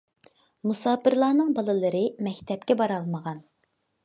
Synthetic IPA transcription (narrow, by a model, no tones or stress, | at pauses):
musɑːpɨɾlˠɑːnɨŋbɑlˠɨlˠɨɾɨmɛkʲt̪ʰɛp̚kʲɛbɑɾɑlˠməʁɑn